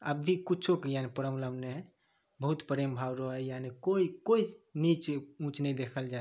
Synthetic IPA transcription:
əbbʱikut͡ʃʰokejanepəɾəmləmne | bəɦut̪pəɾembʱabɾəɦɛjanekoikoinit͡ʃũt͡ʃnɛid̪ekʰəld͡ʒae

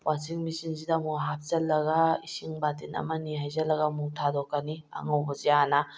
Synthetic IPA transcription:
wʔasiŋmisiŋsidamuɦap̚ʰzɐlːɐɡaisiŋbatinɐ̰mɐniɦajzɐlːɐɡamuŋtʰadɔkːania̰ŋawbɐzijana

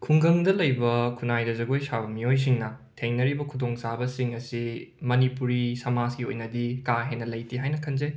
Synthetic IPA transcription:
kʰuŋɡɐŋdɐlɐjbɐkʰunajdɐzɐɡojsabɐmijojs̬iŋnɐ | tʰeŋnɐɾibɐkʰudoŋsabɐsiŋɐsimɐnipuɾisɐmaskio̰jnɐdikaɦenːɐlɐjtʰiɦajnɐkʰɐnze

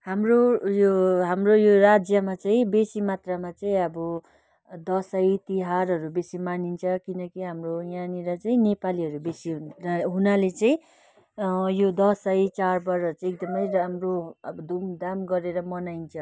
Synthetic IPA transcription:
hamrojoɦamrojoɾad͡zjʌmat͡sʌĩbesimat̪ramat͡saĩʌbʌ | d̪ʌsajt̪iɦaɾɦʌɾubesimanint͡sʰʌkinʌkiɦamrojaniɾʌt͡sʌĩnepaliɦʌɾubesiɦɦunalet͡sʌĩ | jod̪ʌsajt͡sarbʌɾʌt͡sʌ̃ek̚d̪ʌmʌjmroʌbʌd̪umd̪amɡʌɾeɾʌmʌnajnt͡sʰʌ

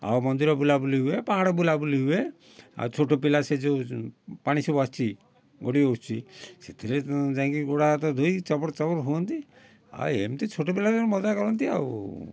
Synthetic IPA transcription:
a̰wmɔnd̪iɾɔbulabuliɦuepãɦɽɔbulabuliɦue | a̰wt͡ʃʰoʈopilased͡ʒopaɽ̃isɔbast͡ʃʰi | ɡoɽioʈt͡ʃʰiset̪ʰiled͡ʒãŋkiɡoɽat̪ɔd̪ʱoit͡ʃɔpɔɾt͡ʃɔbɔɾɦuɔnt̪i | a̰ḛmt̪it͡ʃʰoʈop̬ilasɔɾmɔd͡ʒakɔɾɔnt̪ia̰w

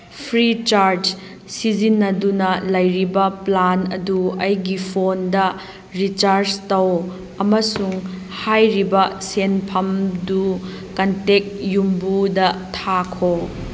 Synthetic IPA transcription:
pʰɾit͡ʃaɾd͡ʒ | sid͡ʒinːɐdunɐlɐjɾibɐplanɐ̰duɐjɡipʰondɐ | ɾit͡ʃaɾd͡ʒtɐw | ɐmɐsuŋ | hajɾibɐsenpʰɐmdu | kɐntek̚jumbudɐtʰakʰo

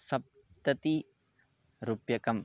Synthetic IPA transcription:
sɐp̚ | t̪ət̪i | ɾupjakɐm

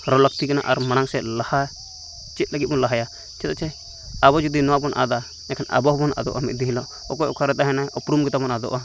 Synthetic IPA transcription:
ɾɔlək̚t̪ikana̰ʔaɾmañaŋsɛlaha | t͡ʃɛt̪̚ləɡit̪̚ˀbɔlaɦaja | t͡ʃɛt̪ɔt͡ʃʰɛ | abɔd͡ʒud̪inɔwabɔnʔa̰d̪a | ɛkʰɛna̰bɔɦbɔnʔa̰d̪ɔ̰ʔamit̪̚d̪iɦilɔʔ | ɔkɔjɔ̰kʰaɾɛt̪aɦɛnaɔpɾumɡɛt̪abɔnad̪ɔ̰ʔa

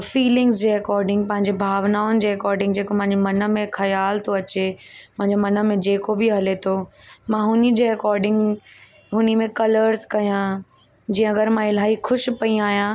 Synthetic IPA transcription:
fiːlɪ̃ŋɡzd͡ʑeːɛkɔːɾɖɪ̃ŋɡ̚pɐ̃ɦɪ̃ɲd͡ʑebʱaːʋnaːʊnɪ̆d͡ʑeːɾɛkɔːɾɖɪ̃ŋɡd͡ʑeːkomɐ̃ɦɪ̃ɲd͡ʑomɐnə̆mẽxɐjaːlt̪ʰoɐt͡ɕemɐ̃ɦɪ̃ɲd͡ʑomɐnə̆mẽd͡ʑeːkobɪɦɐlet̪ʰomãːɦʊnɪ̆d͡ʑeːɾɪkɔːɾɖɪ̃ŋɡ | ɦʊnimẽkɐləɾzkɐjã | d͡ʑiːə̃ɐɡəɾmãɪl̤aːɦixʊʃ̆pɐiaːɦijã

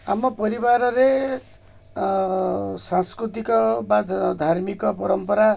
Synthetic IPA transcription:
amʌpʌɾibaɾʌɾe | sãnskɾut̪ikɔbad̪ʱd̪ʱarmikɔp̬ʌɾʌmpʌɾa

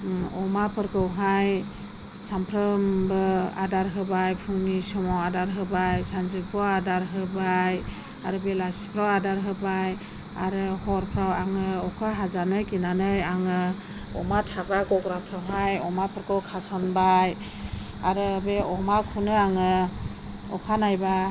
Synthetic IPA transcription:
ɔmapʰɯɾkɯwɦaj | sampʰɾɯmbɯa̰daɾɦɯbajpʰuŋnisɔmɔwadaɾɦɯbajsanzɯpʰɔadaɾɦɯbaj | a̰ɾɯbelaspʰɾawadaɾɦɯbaj | a̰ɾɯhɔɾpʰɾawaŋɯɔkʰaɦazanɯkinanɯjaŋɯ | ɔ̰matʰabaɡɔɡɾapʰɾawɦajɔmapʰɯɾkɯwkʰasɔnbaj | aɾɯbeʔɔmakʰunɯaŋɯ | ɔkʰanajba

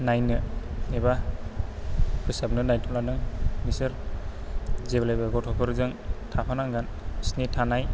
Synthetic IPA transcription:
najnɯeba | kʰɯsab̚nɯnajntʰɔlanɯŋmisɯɾ | zeblajbaɡɔtʰɔkʰɔɾzɯŋtʰapʰanaŋɡan | snetʰanaj

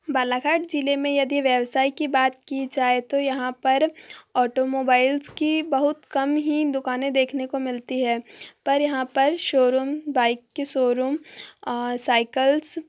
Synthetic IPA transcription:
baːlaːkʰaːɾʈd͡ʒiːlemẽjɐd̪iʋjɛʋsaːikibaːt̪̚kid͡ʒaːet̪ojɐɦãpɐɾɔːʈomoːbaːɪlzkibɐɦʊt̪kɐmɦid̪ʊkaːnẽd̪eːkʰnekomɪlt̪iɦɛːpɐɾjɐɦãpɐɾʃoːɾuːmbaːɪkːeʃoːɾum | saːɪkəls

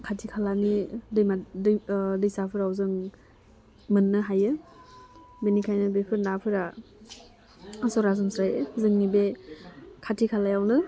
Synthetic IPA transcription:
kʰatʰikʰalanidɯjmaddɯjsapʰɯɾawzɯŋ | mɯnːɯɦajɯ | benikʰajnɯbepʰɯɾnapʰɯɾa | asɔɾazɔnsɾajɯzɯŋnibe | kʰatʰikʰalajawnɯ

